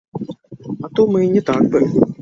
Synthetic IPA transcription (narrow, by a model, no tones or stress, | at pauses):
at̪umɨnʲɛt̪akbɨ